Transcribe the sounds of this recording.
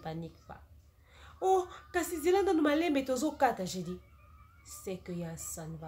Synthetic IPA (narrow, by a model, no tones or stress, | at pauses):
panikfa̰ | okasizilananomalɛmbetozokataʒedi | sɛkøjasanva